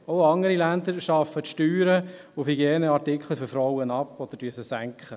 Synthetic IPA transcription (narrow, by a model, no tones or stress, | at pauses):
oʊɑŋəɾilænd̪əɾʃɑfːətʃtyːɾə | ʊfhiɡjeːnəɑrtɪkχl̩fɔɾfɾɔwənɑpːɔd̥̪əɾd̥yəsəsæŋkχə